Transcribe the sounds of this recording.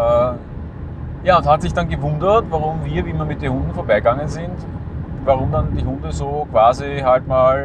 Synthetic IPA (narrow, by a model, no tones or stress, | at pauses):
jaːʊnthatsɪçd̥anɡəvʊ̃ndətvaʁʊmviːɐviːmɐmɪt̚deːnhɦʊ̃ndn̩foːɐbaɪɡaŋənzɪntvaʁʊmdandiːɦʊndəzoːkv̥aːziɦaltmaːl